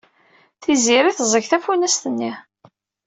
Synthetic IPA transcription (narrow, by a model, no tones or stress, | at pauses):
θiziɾiθzˤəʝθæfunæst̪ənːi